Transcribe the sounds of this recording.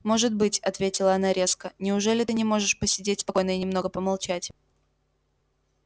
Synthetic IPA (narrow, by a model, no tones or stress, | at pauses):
mo̞ʐɨt̪̚bɨtʲɐt̪vʲetʲɪlˠəɐnaɾʲe̞skənʲɪʊʐɛlʲɪt̪ɨnʲɪmo̞ʐɨʂpəsʲɪdʲetʲspɐko̞jnəɪnʲɪmno̞ɡəpəmɐlˠt͡ɕætʲ